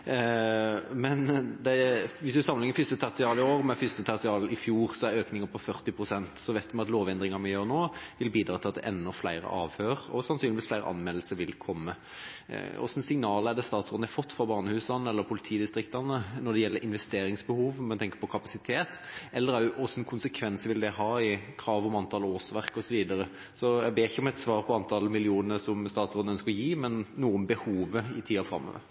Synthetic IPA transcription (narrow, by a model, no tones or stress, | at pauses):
mɛnd̪ɛʋɪsd̪ʉsɑmːənɪŋəfʏst̪ət̪ʰɑʁsɪɑːlɪoːʁmɛfʏst̪ət̪ʰɑʁsɪɑːlɪfjuːʁsɔæɾøːknɪŋəpʰɔfœʁt̪ɪpʰɾʊsɛnt̪sɔʋæɪt̪mɛɑt̪loːʋɛnd̪ɾɪŋɑmɛjøːɾnoːʋɪlbiːd̪ɾɑːt̪ɪlɑt̪̚d̪ɛ̰ʔɛnːɔflæɪɾə̰ʔɑːʋhøːɾɔ̰sɑnsyːnɪʋiːsflæɪɾəʔɑ̰nmɛll̩səʋɪlkʰɔmːə̰ | ɔ̰sn̩sɪŋnɑːlæɾd̪ɛst̪ɑːt̪sʁoːd̪næfɔt̪ːfɔɾbɑːʁnəhʉːsɑnəɛlːəɾpʰʊlɪt̪ʰiːd̪ɪst̪ɾɪkt̪ɑnənɔɖ̪ɛjɛlːəɾʔɪnʋɛst̪eːɾɪŋsbəhuːʋmɛnt̪ʰɛŋkə̥ɾpɔkʰɑpɑsɪt̪ʰeːt̪ɛlːəɾæʔɔsnkʰʊnsəkʰʋɛnsəʋɪld̪ɛɦɑːɪkʰɾɑːʋɔmɑnt̪ʰɑlɔɔːsʋæʁkɔsɔʋiːd̪ɑɾə | sɔjæɡbeːɪçːəɔmɛt̪sʋɑːɾpʰɔɑnt̪ʰɑlmɪlɪuːnəəsɔmst̪ɑːt̪soːd̪nəœnskəɾɔjiːmɛnːuːənbəhuːʋəɪt̪ʰiːɑfɾɑ̰mːɔ̰ʋə̰ɾ